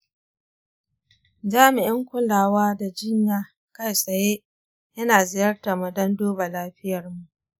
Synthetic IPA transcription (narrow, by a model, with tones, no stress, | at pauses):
d͡ʒaː˦mɪ˨ʔɪ˦ŋkʷʊ˦laː˨waː˦da˨d͡ʒɪ˦ɲjaː˦ | ka˦˨jsɐ˨jeː˦ | jɐ˦naː˨zɪ˨jɐ˦rta˨mɐ˨dɐ˦ndoː˦ba˨laː˦ɸɪ˦jɐ˨rmu˨ʔʔ